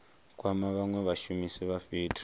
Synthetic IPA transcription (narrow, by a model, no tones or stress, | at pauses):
kʼwamaβaŋwɛβaʃumisiβaɸiːtʰ